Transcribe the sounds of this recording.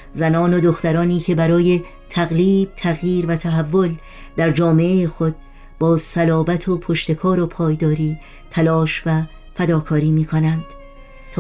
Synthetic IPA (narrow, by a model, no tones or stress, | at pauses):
zænɒːnod̪o̞xt̪æɾɒːniːcʰe̞bæɾɒːje̞ | t̪ʰæɣliːb̥̚t̪ʰæɣjiːɾvæt̪ʰæɦævːo̞l | d̪̥æɾd͡ʒɒːme̞ʔejexod̪̥̚ | b̥ɒːsælɒːbæt̪ʰopʰo̞ʃt̪e̞kʰɒːɾo̞pʰɒːjd̪ɒːɾiː | t̪ʰælɒːʃvæ | fæd̪ɒːkʰɒːɾiːmiːkʰo̞nænd̪̥ | t̪ʰː